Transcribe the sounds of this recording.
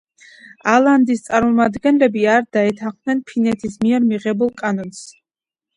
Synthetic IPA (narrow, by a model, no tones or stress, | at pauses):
alˠand̪ist̪sʼaɾmɔmad̪ɡɛnlɛbiaɾd̪̥aɛt̪ʰaχd̪nɛnpʰinɛt̪ʰismiɛɾmiʁɛbulˠkʼanɔns